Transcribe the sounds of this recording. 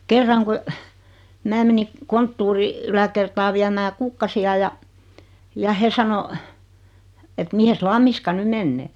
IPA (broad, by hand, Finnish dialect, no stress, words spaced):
kerːɑŋ ku mæː meni kontːuːri ylækertɑː ʋiæmæː kukːɑsiɑ jɑ jɑ he sɑno et mihes lɑmːiskɑ ny menːeː